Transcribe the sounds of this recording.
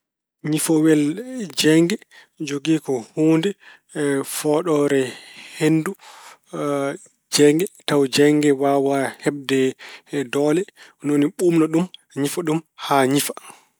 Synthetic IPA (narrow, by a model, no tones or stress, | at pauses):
ɲifɔwɛld͡ʒɛŋɡɛ | d͡ʒoɡiːkɔhuːndɛ | fɔɗɔɾɛhendu | d͡ʒɛŋɡɛtawd͡ʒɛŋɡɛwawahɛb̚dɛdɔlɛ | noniɓumnaɗum | ɲifaɗumhaɲifa